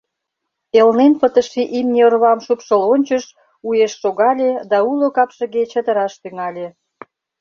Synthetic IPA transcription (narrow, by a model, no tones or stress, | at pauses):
elnenpət̪əʃiʔimnʲeorβɑmʃupʃəlonʲt͡ɕəʃ | ujeʃːoɣɑlʲed̪ɑulokɑpʃə̆ɣet͡ɕət̪ə̆ɾɑʃt̪yŋɑlʲe